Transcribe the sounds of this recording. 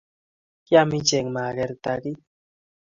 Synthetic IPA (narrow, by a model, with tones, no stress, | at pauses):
ja˦mi˦t͡ʃe˨ŋma˨ɣe˦ɾt̪a˧ɡi˦